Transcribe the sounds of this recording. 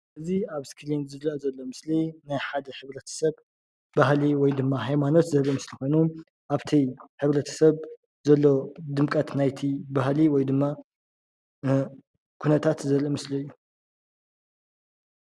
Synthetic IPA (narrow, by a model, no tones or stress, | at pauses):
ʔɨziaβskʰilinzɨβɾɐzɐlːo̞mɨslinajħad̪ɐħɨβɾɐt̪ʰɐ̥sɐβ | baɦliwɔjd̪ɨmːaɦajmano̞t̪zɐɾimɨslixo̞jnu | ʔaβt̪ʰiħɨβɾɐt̪ʰɐ̥sɐβ | zɐlːo̞d̪ɨmkʼɐt̪najt̪ʰibahliwɔjd̪ɨmːa | kʰunɐt̪ʰat̪zɐɾimɨsliɨjːu